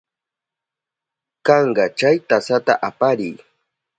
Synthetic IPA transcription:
kɑɴɢɑt͡ʃajt̪asat̪a̰ʔapaɾɪj

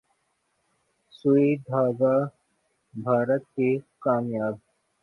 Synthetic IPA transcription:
suid̪ʱaːɡaː | bʱaːɾət̪̚kekaːmjaːb

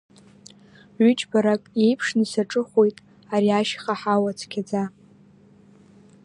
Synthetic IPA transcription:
ʕʏt͡ʃʼbaɾakʼe̞jpʰʂnisaʈ͡ʂʼɨχʷojtʼ | aɾiaʃχaħawat͡sʰkʲʰad͡za

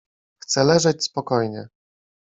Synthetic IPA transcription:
xt̪sɛlɛʐɛt͡ɕspɔkɔjɲɛ̰

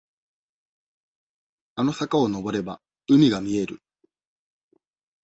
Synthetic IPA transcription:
ano̞sakao̞no̞bo̞ɾe̞ba | ɯ̟mʲiɡamʲie̞ɾɯ̟

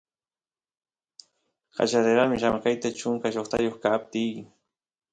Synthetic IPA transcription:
qɑ̰t͡ʃaɾeɾamɪʃamkajt̪at͡ʃʊŋkaʃoχt̪a̰joχkap̚t̪ɪj

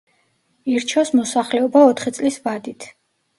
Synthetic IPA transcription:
iɾt͡ʃʰɔsmɔsaχlɛɔbaɔt̪ʰχit̪sʼlisvad̪it̪ʰ

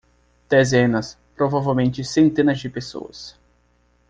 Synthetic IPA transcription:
d̪̥ezẽnɐs | pɾovavewmẽnt͡ʃɪsẽnt̪ẽnɐzd͡ʒɪpeso̰ɐ̰s

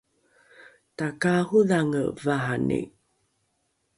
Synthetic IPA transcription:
takahuðaŋə̰vaɦanḭ

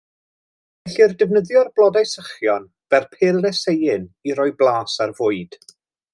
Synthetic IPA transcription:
vɛɬirdəvnəðjɔrblˠɔdajsəχjɔn | v̥ɛrpʰeːlˠːɛsejɪniɾɔɨblˠaːsarvʊɨd̥

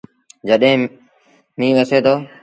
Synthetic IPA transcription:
d͡ʒəɗɦẽː | mĩːʋəseːt̪ʰoː

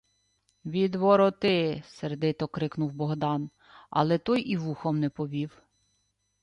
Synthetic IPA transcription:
ʋʲid̪ʋɔɾɔt̪ɪsɛrd̪ɪt̪ɔkɾɪknʊwbɔɦd̪ɑn | ɐ̰lˠɛt̪ɔjʔiʋuxɔmnɛpɔʋʲiw

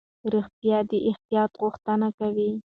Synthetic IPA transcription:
ɾixt̪jɑd̪əʔɪxt̪ijɑt̪ɣʊxt̪ənakawi

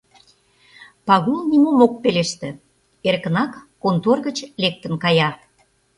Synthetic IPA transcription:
pɑɣulˠnʲimomok̚peleʃt̪ĕ | erkə̆nɑkːont̪orɣət͡ɕlek̚t̪ə̆nkɑjɑ

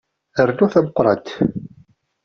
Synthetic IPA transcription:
əɾnʊθæməqːɾˤɑ̰t̪

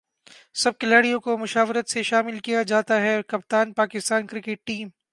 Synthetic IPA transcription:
sɐb̚kɪlaːɽijõkomʊʃaːʋɾət̪seʃaːmɪlkijad͡ʒaːt̪aɦɛkɐp̚t̪aːnpaːkɪst̪aːnkɾɪkeʈ̚ːiːm

